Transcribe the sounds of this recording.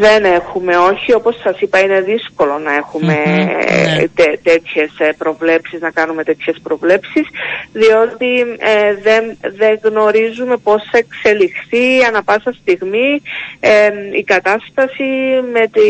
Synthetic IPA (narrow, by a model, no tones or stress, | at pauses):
ðe̞ne̞xume̞o̞çio̞po̞sːɐsipɐine̞ðisko̞lo̞nɐe̞xume̞ | t̪et̪e̞t̪çe̞spɾo̞vle̞psiznɐkɐnume̞t̪e̞t̪çe̞spɾo̞vle̞psisðio̞t̪iðenðe̞ŋɣno̞ɾizume̞po̞sθɐekse̞lixθiɐnɐpɐsɐst̪iɣmieikɐt̪ɐst̪ɐsime̞t̪i